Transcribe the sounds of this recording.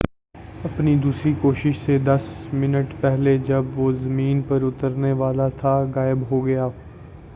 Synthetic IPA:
ɐpnid̪uːsɾikoːʃɪʃsed̪ɐsmɪnəʈpɛɦled͡ʒɐbʋoːzɐmĩːnpɐɾʊt̪əɾneʋaːlat̪ʰaɣaːɪbɦoɡɐjaː

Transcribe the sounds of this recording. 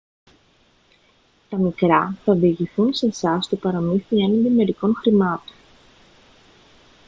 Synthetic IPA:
t̪ɐmikɾɐθɐviʝiθunse̞sɐst̪opɐɾɐmiθienɐnd̪ime̞ɾiko̞ŋxɾimɐt̪o̥n

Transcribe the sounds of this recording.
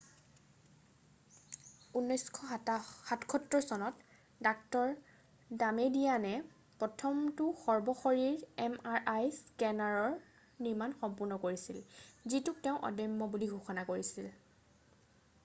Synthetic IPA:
unːɔjskʰɔxatkʰɔtɹɔsɔnɔt | dak̚tɔɹ | damedijanɛ | pɹɔtʰɔmtʊxɔɹbɔxoɹiɹɛmaɹʔajskɛnaɹɔɹ | niɹmanxɔmpʊɹnɔkoɹisilzituk̚teʊ̃ʔɔ̰dɔjmːɔbuliɡʱuxɔnakoɹisil

